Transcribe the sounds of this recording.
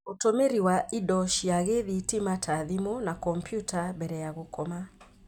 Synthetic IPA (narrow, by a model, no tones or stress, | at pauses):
otomeɾiwaidɔʃiaɣeðitimatʰaðimonakɔmpʰjutʰabɛɾɛjaɣokɔma